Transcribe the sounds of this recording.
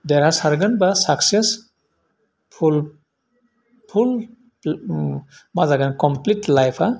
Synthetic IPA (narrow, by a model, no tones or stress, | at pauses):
deɾasaɾɡanbasakses | pʰul | pʰul | mazaɡankɔmplitlajpʰa